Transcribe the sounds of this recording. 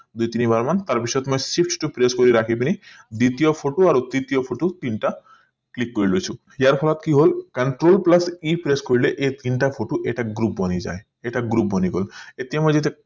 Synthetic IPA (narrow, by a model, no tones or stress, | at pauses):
d̪ujt̪inibaɾmant̪aɾbiʃɔjɔt̪mɔjsip̚ʰʈʈupɾeskɔɾiɾakʰipini | d̪it̪ijɔpʰoʈoaɾod̪it̪ijɔpʰoʈot̪inʈa | klikːoɾilojt͡ʃʰu | jaɾpʰɔlɔt̪kiɦolkəɳʈɾolplasipɾeskoɾileʔet̪inʈapʰoʈoʔeʈaɡɾup̚bɔnid͡ʒa̰e | eʈaɡɾup̚bʱɔniɡolet̪ijamɔjd͡ʒet̪e